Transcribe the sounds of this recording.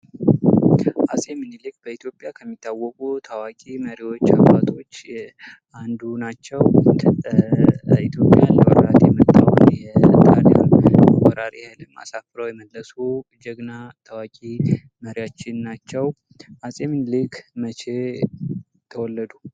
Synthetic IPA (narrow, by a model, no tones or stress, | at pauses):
ʔasʼemɨnlik̚b̥əit̪jo̞pʼjakʰəmːit̪ʰʼːawːɔkʼut̪ʰawakʼiməɾiwo̞t͡ʃːa̰bat̪ʰo̞t͡ʃː | and̪unat͡ʃːɛw | it̪jo̞pʼːja̰nləwɔɾɾa̰t̪jɛmət̪ʼːawnjɛt̪ʰʼaɾja̰mwɔɾat̪jɛhɛlɨma̰safɨɾəwjɛməlːəsud͡ʒəɡnat̪ʰawakʼi | məɾiwat͡ʃːɪnːat͡ʃːɛwʔasʼemɨnlikʰmət͡ʃe | t̪ʰəwɔlːəd̪u